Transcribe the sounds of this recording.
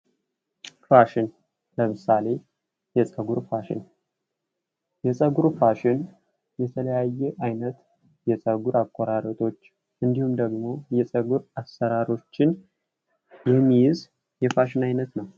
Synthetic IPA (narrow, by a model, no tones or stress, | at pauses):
faʃɪn | ləmɨsale̞ | jɛsʼəɡuɾfaʃɪ̰n | jɛsʼəɡuɾfaʃɪn | jɛt̪ʰələjajːɛʔajnət̪ | jɛsʼəɡuɾakʷʼːɔɾaɾət̪ʰo̞t͡ʃː | ʔɨnd̪ihumd̪əɡmo̞jɛsʼəɡuɾasːəɾaɾo̞t͡ʃːɪn | jɛmːijɪz | jɛfaʃɪnajnət̪nəw